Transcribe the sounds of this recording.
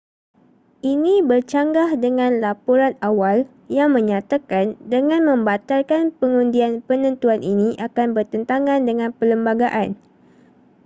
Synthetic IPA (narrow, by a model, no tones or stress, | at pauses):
ʔinĩbərt͡ʃaŋɡahdəŋãnlapuɾanawal | jaŋmə̃ɲat̪akandəŋãnmə̃mbat̪alkanpəŋundianpənə̃nt̪uanʔinĩʔakanbərt̪ənt̪aŋãndəŋãnpələmbaɡaʔan